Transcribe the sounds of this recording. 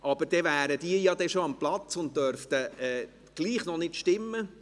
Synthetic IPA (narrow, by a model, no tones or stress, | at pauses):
ʔɑb̥əɾd̥ɛvæːɾəd̪iːəjɑd̪ɛʃoɑmplɑt͡sʊnt̚d̥œɾft̪əɛː | ɡ̥liːχnɔnɪtʃtɪmːə